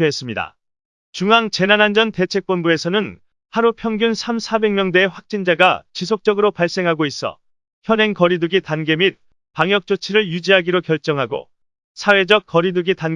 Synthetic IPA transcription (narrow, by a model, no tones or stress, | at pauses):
ɦes͈ɯmɲida̰ | t͡ɕuŋaŋt͡ɕe̞nanɦand͡ʑʌnte̞t͡ɕʰe̞k̚p͈onbue̞sʰʌnɯn | haɾupʰjʌŋɡjunsʰamsʰabe̞ŋmjʌŋdeːɸwak̚t͡ɕ͈ind͡ʑaɡat͡ɕisʰok̚t͡ɕ͈ʌɡɯɾopaɭs͈e̞ŋɦaɡois͈ʌ̰ | çjʌne̞nkʌɾiduɡitanɡe̞mit̚ | paŋjʌk̚t͡ɕ͈ot͡ɕʰiɾɯɭjud͡ʑiɦaɡiɾokjʌɭt͡ɕ͈ʌŋɦaɡo̰ | sʰawe̞d͡ʑʌk̚k͈ʌɾiduɡitan